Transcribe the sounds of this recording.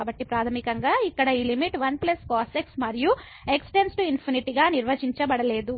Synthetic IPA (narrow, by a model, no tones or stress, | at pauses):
aːbɐʈːipɾaːt̪ʰɐmikɐŋɡaːikːɐɽɐiːlimiʈʋɐnplɐskaːseksmɐɾiju | eksʈe̞nsʈuinpʰiniʈiɡaːniɾʋɐd͡ʒiɲt͡ʃɐbɐɽɐle̞ːd̪u